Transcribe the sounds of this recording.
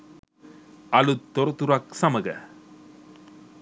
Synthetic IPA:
ɐlut̪ːɔɾɐt̪uɾɐksɐmɐɡɐ̰

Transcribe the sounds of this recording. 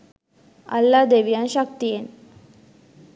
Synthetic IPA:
ɐ̰lːaːd̪eʋijanʃɐk̚t̪ijen

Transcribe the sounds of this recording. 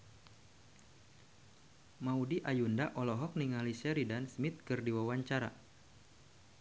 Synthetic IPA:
maudiʔajundaʔɔlɔɦɔk̚niŋalisɛɾidansmit̪̚kɨrdiwawaɲt͡ʃaɾa

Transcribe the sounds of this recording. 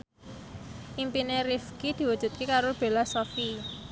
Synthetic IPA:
ʔimpinerifɡid̪̥i̤wud̥ʒ̥ṳt̪̚kekaɾob̥e̤lasɔfi

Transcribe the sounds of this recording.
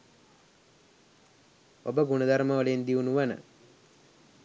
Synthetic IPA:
obəɡunəd̪aɾməʋəlend̪iunuʋənə̰

